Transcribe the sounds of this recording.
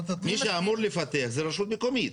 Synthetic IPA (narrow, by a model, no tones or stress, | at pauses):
miʃeamuɾlefat̪eaχzeɾaʃut̪̚bekomid̪